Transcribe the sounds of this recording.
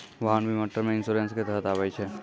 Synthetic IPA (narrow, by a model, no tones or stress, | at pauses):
ʋəɦãnbʱiməʈːəɾmeɪnsuɾensket̪ɛɦət̪abɛt͡ʃʰɛ